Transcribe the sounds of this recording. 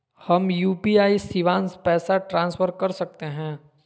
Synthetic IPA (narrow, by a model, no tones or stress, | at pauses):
hɐmjuːpiaːisiʋãːnspɛːsaʈɾãːnsfʰəɾkɐɾsɐk̚t̪eɦɛ̃ː